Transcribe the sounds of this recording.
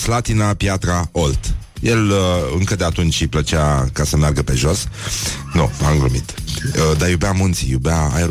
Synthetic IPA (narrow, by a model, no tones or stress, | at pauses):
slat̪inapjat̪ɾaolt̪ | jelɨŋkəd̪eat̪unt͡ʃʲiplət͡ʃakasəmearɡəpe̞ʒo̞s | nuaŋɡɾɨmit̪d̪ajubamunt̪sḭjubeaa̰jɾ